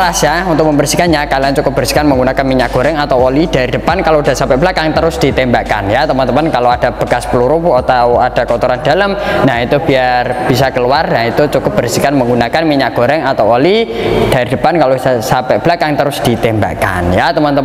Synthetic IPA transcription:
ɾasjaunt̪ʊk̚məmbərsikanjakaliaŋt͡ʃukʊp̚bərsi̥kanməŋɡunakanmiɲaʔ̚ɡ̥oɾɛŋat̪awolid̥aɾidəpankalowda̤sampɛb̥lakaŋt̪əɾʊsd̥it̪ɛmbaʔka̰njat̪əmant̪əmankaload̥ab̥ə̤kaspəluɾupat̪awad̥akɔt̪ɔɾand̥aləmnahit̪ub̥iarb̥isakəluarnait̪ut͡ʃukʊp̚b̥ərsikanməŋɡunakanmiɲaʔ̚ɡ̥o̤ɾɛŋat̪awolid̥aɾidəpankalosasapɛʔb̥lakaŋt̪əɾʊsd̥it̪ɛmba̰ka̰njat̪əmant̪ə

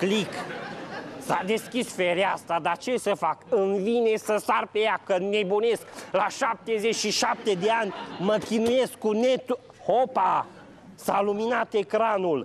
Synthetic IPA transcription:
klik | sad̪e̞skʲisfeɾeast̪ad̪at͡ʃe̞səfakɨnvinesəsarpejakəne̞bune̞sklaʃap̚t̪ezet͡ʃʃiʃap̚t̪ed̪eanʲməkʲinuje̞skːune̞t̪u | hopa | saluminat̪e̞kɾanul

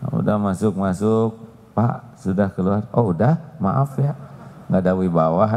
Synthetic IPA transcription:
ṵdahmasʊk̚masʊk̚ | pa̰ʔ | sudahkəluaroudahma̰ʔafjaʔ | ŋɡadawibawa

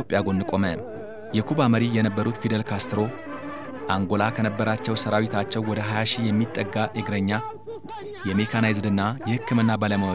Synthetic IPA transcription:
opʼjaɡo̞nːɨkʼo̞mə | jɛkʰubaməɾijɛnəbːəɾut̪fid̪əlkʰast̪ʰɨɾo̞ | ʔaŋɡo̞lakʰənəbːəɾat͡ʃːɛwsəɾawit̪ʰat͡ʃːɛwwːɔd̪əɦajaʃijɛmːit̪ʼːəɡːaʔɨɡɾəɲːa | jɛmekʰanajzd̪ɨnːajɛhɨkːɨmɨnːabaləməw

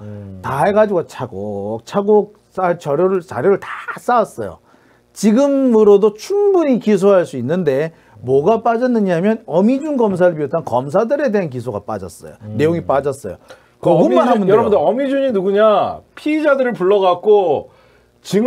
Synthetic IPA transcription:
taɦe̞ɡad͡ʑiɡot͡ɕʰaɡot͡ɕʰaɡo | s͈at͡ɕʌɾjoɾɯɭt͡ɕa̰ɾjoɾɯɭtas͈awas͈ʌ̰jo̰ | t͡ɕiɡɯmɯɾodot͡ɕʰumbuɲikis̬ʰoɦaɭs͈uinːɯnde̞ | mwʌɡap͈ad͡ʑʌnːɯɲɦamjʌnʌmid͡ʑunɡʌms̬ʰaɾɯɭpiʌt͈ʌnkʌms̬ʰadɯɾede̞ɦank̬isʰoɡa̰p͈a̰d͡ʑʌs͈ʌ̰jo̰ne̞joŋip͈ad͡ʑʌs͈ʌ̰jo̰ | kʌɡumanɦamunʌɾʌundʌmid͡ʑuɲinuɡuɲapʰiːd͡ʑadɯɾɯɭpuɭːʌɣak̚k͈o | t͡ɕi

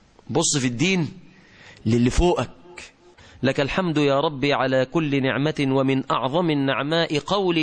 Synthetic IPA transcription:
bʊsˤːɨfid̪ːiːn | lɪlːɪfoːʔak̚ | lakalħamd̪jaːɾˤɑbːiːʕalaːkʊlːɪnɪ̰ʕmawamɪnʔɑ̰ʕðˤɑmɪnːaʕmaːʔɪqɑwli

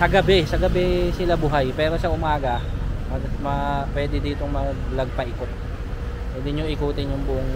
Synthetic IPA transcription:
sɐɡɐbɛsɐɡɐbɛsɪlabuːɦajpɛːɾo̞sɐʔʊmaːɡɐmɐmɐpwɛːd̪ɛd̪iːt̪o̞ŋmɐɡlɐɡ̚pɐʔɪkot̪̚ | pwɛd̪ɪɲoʔɪkuːt̪ɪnjʊŋbʊʔoŋ

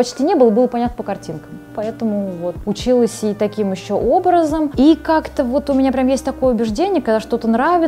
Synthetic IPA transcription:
pɐt͡ɕtʲinʲe̞bɨlˠəbɨlˠəpɐnʲat̪nəpəkɐrtʲinkəmpɐɛt̪əmʊvo̞t̪ʊt͡ɕilˠəsʲit̪ɐkʲimjɪɕːoʔo̞bɾəzəmikakt̪əvo̞t̪ʊmʲɪnʲapɾʲamjesʲtʲt̪ɐko̞jəʊbʲɪʐdʲenʲɪjəkɐɡd̪aʂt̪o̞t̪ənɾavʲɪ

